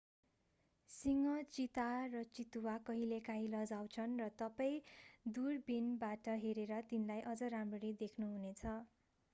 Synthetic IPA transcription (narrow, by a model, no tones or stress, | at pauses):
siŋʌt͡sit̪arʌt͡sit̪uwakʌɦilekaɦĩlʌd͡zawt͡sʰʌnrʌt̪ʌpaj̃d̪urbinbaʈʌɦeɾeɾʌt̪inlajʔʌd͡zʌɾamrʌɾid̪ekʰnuɦunet͡sʰʌ